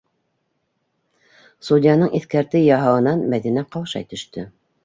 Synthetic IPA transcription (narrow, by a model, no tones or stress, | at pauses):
sud̪ʲɪjanɤɴiθkæɾt̪ɘjɑɦɑwɤ̆nɑnmæðinæqɑwʃɑ̰jt̪ɵ̆ʃt̪ɵ